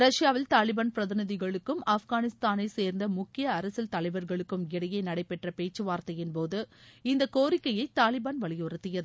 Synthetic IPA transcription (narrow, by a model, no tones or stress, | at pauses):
ɾɐʂjaːʋɪlt̪aːlɪbaːnpɪɾɐðɪnɪðɪɣɐɭɯkːɯmafɣaːnɪst̪aːnɐɪseːɾnd̪ɐmʊkːɪjɐːɾɐsɪlt̪ɐlɐɪʋɐɾɣɐɭɯkːɯmɪɽɐjɐɪnɐɽɐɪpːɛʈrɐpeːt͡ʃːɯʋaːɾt̪ɐjɪnpoːðɯɪnd̪ɐkoːɾɪkːɐjɐɪt̪aːlɪbaːnʋɐɭɪjɔrɯt̪ːɪjɐðɯ